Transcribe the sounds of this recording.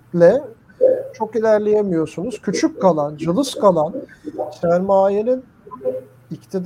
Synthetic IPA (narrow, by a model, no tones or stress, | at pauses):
lʲɛ | t͡ʃʰo̞kilʲæɾlʲejemijo̞ɾsunuz̥cʰyt͡ʃʰyckʰːalˠand͡ʒɯlˠɯskʰalˠansæɾmaːjenin | ict̪ʰid̪